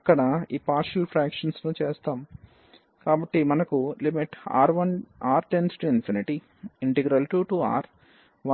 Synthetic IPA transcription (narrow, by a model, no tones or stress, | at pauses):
ɐkːɐɽɐiːpaːɾʂɐlpʰɾaːkʂɐnsnut͡ʃeːst̪aːm | kaːbɐʈːimɐnɐkulimiʈa̰ːɾʋɐnaːɾʈensʈuinfiniʈi | iɳʈeɡɾɐlʈuːʈua̰ːɾ | ʋɐ